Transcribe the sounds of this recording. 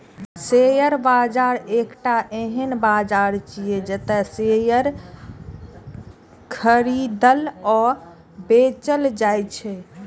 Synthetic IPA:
sejəɾbad͡ʒaɾekʈaʔeɦənbad͡ʒaɾt͡ʃijed͡ʒət̪ɛsejəɾ | kʰəɾid̪əlɔ | bet͡ʃəld͡ʒajt͡ʃʰɛ

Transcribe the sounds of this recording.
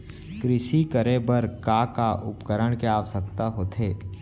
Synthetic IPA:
kɾɪʃikəɾebəɾkaːkaʔʊ̰pkəɾəɽ̃keaːʋəsəkt̪aɦoːt̪ʰeː

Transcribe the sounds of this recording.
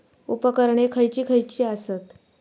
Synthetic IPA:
upəkəɾɳekʰəjt͡ɕiːkʰəjt͡ɕiːasət̪

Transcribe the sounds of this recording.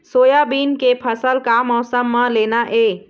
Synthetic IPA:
soːjabiːnkepʰəsəlkamɔːsəmːəleːnaʔe

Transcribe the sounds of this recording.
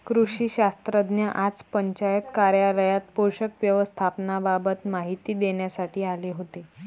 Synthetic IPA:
kɾuɕiːɕast̪ɾəd̪njəʔat͡spəɲt͡ɕajət̪kaɾjaləjat̪̚poɕəkʋjəʋəst̪ʰapnababət̪maɦit̪iːd̪eɳjasaʈʰiːaleɦot̪e

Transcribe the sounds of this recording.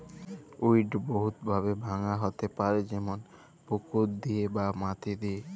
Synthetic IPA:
uiɖboɦut̪bʱabebʱaŋaɦot̪epaɾed͡ʑɛmon | pokod̪iebamat̪id̪ie

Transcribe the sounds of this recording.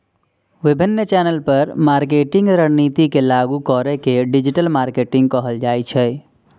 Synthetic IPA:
ʋɪbʱɪnːət͡ʃɛːnəlpɐɾmaːɾk̬eːʈɪ̃ŋɡɾəɽniːt̪ikelaːɡukɔːɾekeɖɪd͡ʒɪʈəlmaːɾkeːʈɪ̃ŋɡ̚kɔɦəld͡ʒaːit͡ʃʰɛ

